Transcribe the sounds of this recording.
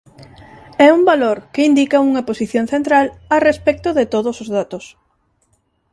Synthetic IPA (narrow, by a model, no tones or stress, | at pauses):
ɛumbaloɾkeind̪ikauŋɐposiθjonθent̪ɾalarespɛk̚t̪ʊðet̪oðosozðat̪os